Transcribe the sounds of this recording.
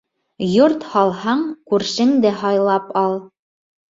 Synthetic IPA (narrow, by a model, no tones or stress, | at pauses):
joɾt̪hɑlˠhɑɴkʉɾʃɘŋd̪æɦɑjlˠɑpɑlˠ